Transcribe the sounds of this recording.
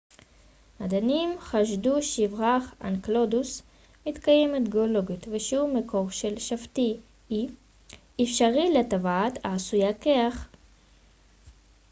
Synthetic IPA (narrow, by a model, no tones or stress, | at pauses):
mad̪animχaʃduʃivʁaχa̰nklod̪us | mitkajemet̪ɡeolo̞ɡit̪veʃeumeko̞ʁʃe̞lʃaft̪i | i | efʃaʁiletavaataːsujakeaχ